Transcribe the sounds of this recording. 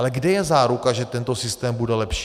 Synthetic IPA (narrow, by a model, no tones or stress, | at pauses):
lɛɡdɛjɛzaːɾukaʒɛt̪ɛnt̪osɪst̪ɛːmbudɛlɛpʃ